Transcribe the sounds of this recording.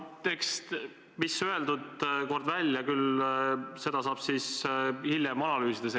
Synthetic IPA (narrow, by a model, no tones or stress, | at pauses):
t̪e̞kst̪ | misøe̞ld̪ud̪ko̞rd̪vælʲjɑkyl | se̞d̪̥ɑsɑːb̥sishilʲjɛmɑnɑlyːsid̪̥es